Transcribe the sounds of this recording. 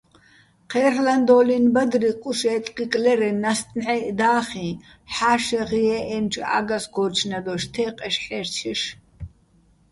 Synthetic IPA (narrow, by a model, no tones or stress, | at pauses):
qʰɛːrland̪ɔːlinbad̪riqʼuʃɛt̪ʼqʼikʼlɛɾɛnast̪ʼnʕɛʔd̪aːχĩ | ħaːʃɛʁiɛʔɛmt͡ʃʼa̰ɡasɡɔt͡ʃʰnad̪ɔʃt̪ʰɛːqʼɛʃħɛrt͡ʃʰiʃ